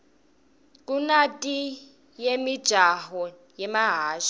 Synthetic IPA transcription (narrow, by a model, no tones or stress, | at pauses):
k̬ʼunatʼi | jemid̥ʒ̥ʱaɦɔ | jɛmaɦaːʃa